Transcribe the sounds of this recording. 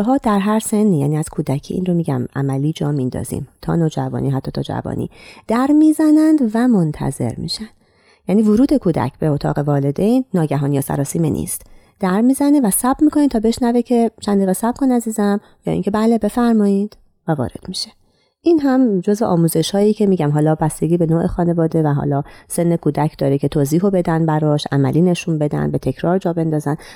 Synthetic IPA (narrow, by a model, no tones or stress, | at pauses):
ɦɒːd̪æɾɦæɾsenːiːjæ̰ːniːæz̥kʰuːd̪æcʰḭːʔḭːnro̞miːɟæ̰mʔæ̰mæliːd͡ʒɒːmind̪ɒ̰ːz̥ḭːmt̪ʰɒ̰ːnoːd͡ʒævɒ̰ːniːɦæt̪ʰːɒːt̪ʰɒːd͡ʒæ̰vɒ̰ːnḭːd̪̥æɾmiːzænænd̪væmo̞nt̪ʰæ̰ze̞̰ɾmḭːʃænd̪ | jæːniːvoɾuːd̪e̞kʰuːd̪æ̰cʰbe̞ot̪ʰɒ̰ːɣe̞vɒːle̞d̪ejnːɒːɟæɦɒːnijɒsæ̰ɾɒːsiːmḛnʔḭːst̪ | d̪̥æɾmiːzænevæsæbmiːkʰo̞niːd̪t̪ʰɒːbe̞ʃnævecʰe̞t͡ʃʰænd̪iːɣesæb̥̚kʰo̞næziːzæm | jɒ̰ːḭŋcʲʰe̞bæːle̞be̞fæɾmɒːid̪̥ | vævɒ̰ːɾe̞̰d̪̥miʃe | ʔinɦæmd͡ʒozveʔɒːmuːze̞ʃhɒːjiːcʰe̞miːɟæmɦɒːlɒːbæst̪e̞ɡʲiːbe̞noːʔexɒːne̞vɒːd̪e̞væɦɒ̰ːlɒːse̞nːe̞kʰuːd̪æcʰd̪ɒːɾecʰe̞t̪ʰoːziːɦobe̞d̪ænbæɾɒːʃʔæ̰mæ̰liːne̞ʃunbe̞d̪æ̰nbe̞t̪ʰecʰɾɒːɾd͡ʒɒːbe̞nd̪ɒːzæn